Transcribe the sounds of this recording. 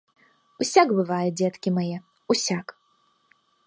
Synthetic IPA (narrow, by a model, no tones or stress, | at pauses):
usʲaɡbɨvajɛd͡zʲɛt̪kʲimajɛ | usʲak